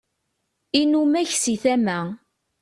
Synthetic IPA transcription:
inumæçsiθæmæ

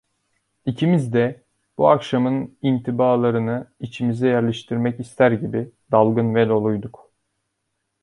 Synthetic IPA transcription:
icʰimizd̪ɛ | b̥uakʃamɯnint̪ʰibaːlˠaɾɯnɯit͡ʃʰimizɛjæɾlʲɛʃt̪ʰiɾmɛcist̪ʰæɾɟibi | d̪alˠɡɯnvɛlʲo̞lˠujd̪uk

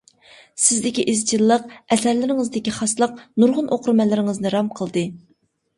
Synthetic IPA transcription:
sɪzd̪ɪkʲiʔɪzd͡ʒilˠːəq̚ɛsɛɾlɪɾɪŋɨzd̪ɪkʲiχɑslˠəq̚nuɾʁʊnʔoqʰɾmɛlːɪɾɪŋɨznɨɾɑmqʰəlˠd̪ɨ

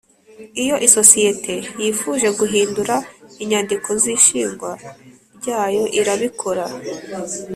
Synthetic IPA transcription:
ijo̞ʔiso̞sije̞tʰe̞jiːfuːʒe̞ɡuɦiːnduɾaiɲandikʰo̞ziʃiːŋɡwa | ɾɟaːjo̞ʔiɾaβikʰo̞ɾa

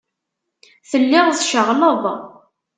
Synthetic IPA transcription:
θəlːɪʁðʃəʁləðˤ

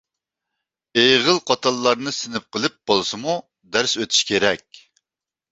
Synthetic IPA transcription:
ejʁəlˠqʰɑt̪ʰɑlˠːɑɾnɨsɪnɪp̚qʰəlˠɨp̚b̥olˠsɨmu | d̪æɾsøt̪ʰy̥ʃkʲʰeɾɛkʲ

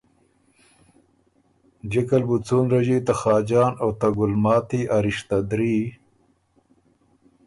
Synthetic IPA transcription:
d͡ʑekalbut͡suːnɾɐʒit̪axɑːd͡ʑɑːnawt̪ɐɡʊlmɑːt̪iʔaɾiʃt̪ad̪ɾiː

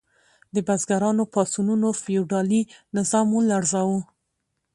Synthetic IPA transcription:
d̪əbazɡaɾɑnopɑsununofijuɖɑlinɪzɑmulaɾzɑwu

